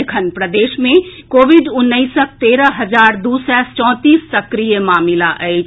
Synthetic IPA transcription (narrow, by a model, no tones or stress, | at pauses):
kʰənpɾəd̪eːʃmẽkoːʋɪɖʊnːəisək̚t̪eːɾəɦɐzaːɾd̪uːsɛst͡ʃɔ̃ːt̪iːsːɐkɾijemaːmɪlaʔəe